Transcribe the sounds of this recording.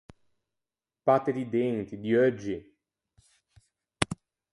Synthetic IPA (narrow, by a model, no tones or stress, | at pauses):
pat̪ed̪id̪ent̪id̪iœd͡ʒːi